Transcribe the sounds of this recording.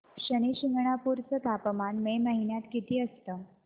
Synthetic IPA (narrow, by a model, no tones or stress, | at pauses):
ɕəñiɕiŋɡɳ̃apuːɾt͡sət̪apəmanmeməɦinjat̪kit̪iːəst̪ə